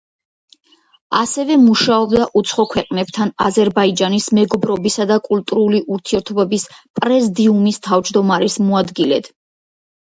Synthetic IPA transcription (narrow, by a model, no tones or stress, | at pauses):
asɛvɛmuʃaɔbd̪aʔut̪sʰχɔkʰwɛqʼnɛb̚t̪ʰanazɛɾbaid͡ʒanismɛɡɔbɾɔbisad̪akʼult̪ʼuɾuliʔuɾt̪ʰiɛɾt̪ʰɔbɛbispʼɾɛzd̪iumist̪ʰavd͡ʒd̪ɔmaɾɛsmɔad̪ɡilɛ̰d̪̥